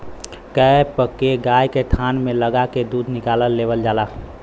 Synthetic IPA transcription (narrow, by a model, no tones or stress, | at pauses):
kəpəkeɡajket̪ʰanmeləɡaked̪ud̪nɪkaləlːebəld͡ʒaːla